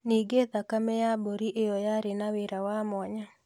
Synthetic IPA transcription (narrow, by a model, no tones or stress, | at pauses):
niːɡeðakamɛjaboɾiʔejɔjaɾenaweɾawamɔɲa